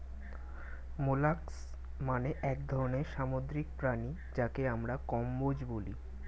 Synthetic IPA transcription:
molaks | maneʔɛk̚d̪ʱɔɾoneɾʃamod̪ɾik̚pɾani | d͡ʑakeamɾakɔmbod͡ʑboli

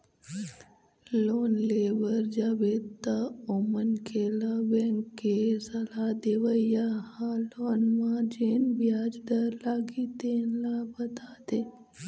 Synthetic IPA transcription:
loːnleːʋəɾd͡ʒaːbeːt̪ːaomənkʰelabẽŋkːesɐlad̪eʋəjahaloːnmãd͡ʒeːnbjaːd͡ʒd̪əɾlaːɡit̪eːnlabɐt̪aːt̪eː

